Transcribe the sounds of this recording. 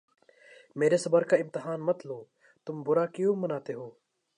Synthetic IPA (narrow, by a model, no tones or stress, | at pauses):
meːɾesɐbəɾkaɪ̃mt̪ɪɦaːnmɐt̪loː | t̪ʊmbʊɾakjũmːɐnaːt̪eɦoː